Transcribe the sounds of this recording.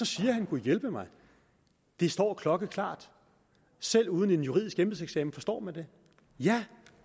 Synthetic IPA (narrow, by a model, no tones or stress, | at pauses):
sɒ̽siːɐɦænkʰujelb̥əmɑ̈ɪ | d̥e̝sd̥ɒ̰ːkʰlɒ̽ɡ̥əkʰl̥ɑ̰̈ːd̥ | sel̰uːð̞ˠn̩e̝njuʁiðˠisɡ̥emb̥l̩ˠseɡ̥sɛ̰ːmn̩fɒ̽sd̥ɒ̰ːmænd̥e̝ | jæ